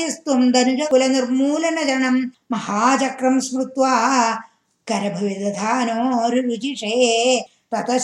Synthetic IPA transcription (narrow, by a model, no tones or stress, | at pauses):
ɐst̪umd̪ɐnud͡ʒɐkulɐnɐɾmuːlɐnɐd͡ʒɐnɐmːɐhaːt͡ʃɐkɾɐmsmɾut̪ʋaː | kɐɾɐbʱɐʋid̪ɐd̪ʱaːnoːɾiɾud͡ʒiʂeː | t̪ɐt̪ɐ